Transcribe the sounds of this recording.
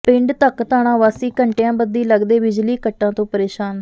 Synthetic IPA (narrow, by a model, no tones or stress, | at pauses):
pɪ̃ɳɖt̪əkt̪aːɳãːʋaːsiːkəɳʈejãːbəd̪ːiːləɡd̪eːbɪd͡ʒliːkəʈːãːt̪õːpəɾeːʃaːn